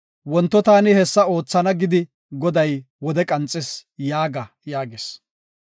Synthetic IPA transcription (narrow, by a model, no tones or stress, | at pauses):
wɔnt̪ːɔt̪aːnɪhɛsːɐo̞ːt͡sːɐnɐɡɪd̪ɪ | ɡɔd̪ɐj | wɔd̪ɛkʼɐnt͡sʼːɛsjaːɡɐ | jaːɡes